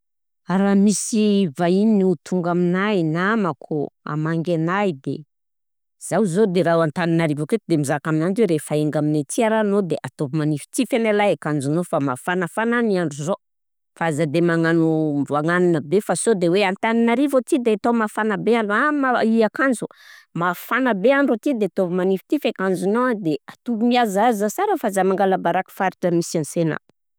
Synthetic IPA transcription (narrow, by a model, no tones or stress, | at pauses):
aɾamisivaininiut̪ʰuŋɡaminajnaməkʰoa̰maŋɡenajd̪ḛ | z̥awzod̪eɾaɦwant̪aninaɾivoket̪id̪emizakaminantweɾefaeŋɡaminet͡siaɾanod̪eʔat̪opimanifi̥t͡sifenalajakand͡ʒunofamafanəfananiaɳɖ͡ʐuzo | faazad̪emaŋanumvuaŋananəbefasod̪eweant̪aninaɾivot̪id̪eat̪omafanəbeaɳɖ͡ʐamaiakand͡ʒumafanəbeaɳɖ͡ʐot̪id̪eat̪ovimanifi̥t̪ifekand͡zunoad̪eat̪uvimiazazəsaɾəfazamaŋɡalabaɾaki̥faɾiʈ͡ʂəmisansenə̰